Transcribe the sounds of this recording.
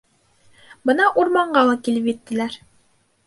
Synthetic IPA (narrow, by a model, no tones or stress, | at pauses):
bɤnɑʔuɾmɑɴɢɑlˠɑkilɘpjɘ̆t̪ːɘ̆læɾ